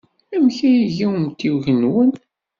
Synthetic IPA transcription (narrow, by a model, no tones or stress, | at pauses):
æmçæjiʝiəmt̪iwʝənwən